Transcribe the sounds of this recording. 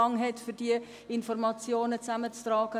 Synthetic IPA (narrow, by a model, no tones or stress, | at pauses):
ɑŋɦɛtfyɾdiə | ɪnfɔrmɑt͡sjoːnət͡sæmət͡strɑːɡ̥ə